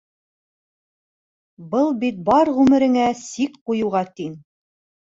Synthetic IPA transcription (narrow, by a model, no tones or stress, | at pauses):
bɤlˠbit̪̚bɑɾʁʉmɘ̆ɾɘ̆ŋæsikqujŭwʁɑt̪in